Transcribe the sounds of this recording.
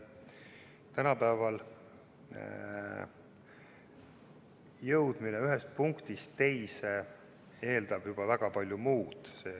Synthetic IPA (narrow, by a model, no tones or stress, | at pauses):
t̪ænɑpæːvɑl | jɤwd̪̥mineyɦest̪̚puŋkt̪ist̪ːe̞jse | e̞ːld̪̥ɑb̥jub̥ɑvæɡ̥ɑpɑlʲjumuːd̪̥seː